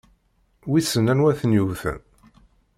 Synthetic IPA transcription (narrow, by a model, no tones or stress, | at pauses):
wisənænwæθənjuvθə̰n